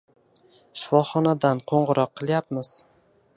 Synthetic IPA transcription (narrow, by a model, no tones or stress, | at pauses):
ʃɪ̥fɒχɒnad̪anqʰoɴʁɨɾɒqʰːɨlˠjapmɪz̥